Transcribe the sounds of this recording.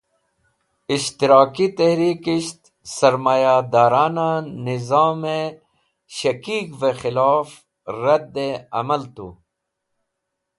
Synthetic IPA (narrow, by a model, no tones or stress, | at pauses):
iʃt̪iɾɑːkit̪ehɾiːkiʃt̪ | sɐɾmaːjad̪aːɾaːnanɪzaːme | ɕɐkiːkvexɪlaːf | ɾɐd̪ːeɐ̰mɐlt̪ṵ